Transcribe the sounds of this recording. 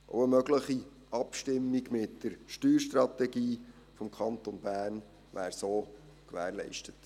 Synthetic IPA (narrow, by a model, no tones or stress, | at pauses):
ʔo̰wəmœɡləχi | ʔɑpʃtɪmːiɡmɪtd̥əɾʃtyːɾʃtrɑt̪ɛɡiː | fɔmkʰɑnt̪onbæːrn | ʋæːɾsoː | kʋæːɾlɛ̰ɪʃtət